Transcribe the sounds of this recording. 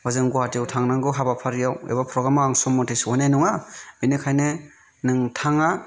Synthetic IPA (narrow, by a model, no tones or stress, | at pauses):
wazɯŋɡuatiawtʰaŋnaŋɡɯɦabapʰaɾijawḛbapʰɾɔɡɾamaːŋsɔmːɔtʰesɔnajnuŋabinɯkʰajnɯ | nɯŋtʰaŋa